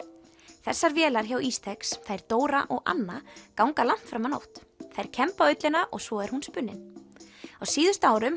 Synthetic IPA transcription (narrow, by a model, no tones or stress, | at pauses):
θɛsːaɾvjɛːlaɾ̥çawiːst̪ʰɛksθajɾ̥t̪oːwɾa̰ʔɔɣa̰nːakawŋkalam̥t̪fɾamano̰wht̪θajɾ̥cʰɛmpaœɥt̪lɪnaʔɔɣsvɔɛɾ̥hunspʏnːɪ̰n | ɔwsiːðʏ̥st̪aːwɾʏm